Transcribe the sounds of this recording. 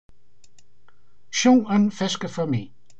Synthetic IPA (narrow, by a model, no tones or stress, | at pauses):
ʃõŋə̃nfɛskəfəmi